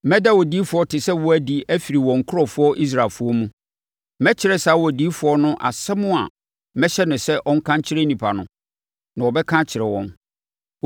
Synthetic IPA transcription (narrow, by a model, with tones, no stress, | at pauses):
mɛ̃˦da˦wɔ˨diː˨˦fʊ˨ɔ˦tʰɪ˨sɛ˦wɔ˦æ˦di˦æ˦fi˨ɾi˨wɔ̃˨ŋ̩˨kʰʊ˦ɾɔ˨fʊ˦ɔ˦ʔi˦s̬ɾa˨lfʊ˦ɔ˦mũ˦ | mɛ̃˦t͡ɕʰɪ˨ɾɛ˦sa˨˦wɔ˨di˦fʊ˨ɔ˦nʊ̃˦ʔa̰˨sɛ˦mʊ̃˦a̰˨ | mɛ̃˦ɕɛ˦nʊ̃˨sɛ˦ʔɔ̃˦ŋ̩˦kʰã˦ɲ˦t͡ɕʰɪ˦ɾe˦nĩ˨pʰa˨nʊ̰̃˨ | nã˨wɔ˨bɛ˦kʰã˦t͡ɕʰɪ˨ɾɛ˨wɔ̰̃˨n